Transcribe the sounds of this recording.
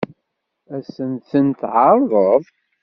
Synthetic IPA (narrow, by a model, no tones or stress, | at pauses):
æsənθənt̪ʕɑɾˤðˤəðˤ